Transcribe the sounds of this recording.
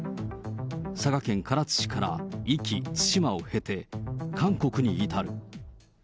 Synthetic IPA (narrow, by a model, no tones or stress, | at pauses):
saɡakẽ̞ŋkaɾat͡sɨ̥ɕi̥kaɾa̰ikʲit͡sɨ̥ɕimao̞he̞t̪e̞kʰãŋko̞kɯ̟ɲ̟iːt̪aɾɯ̟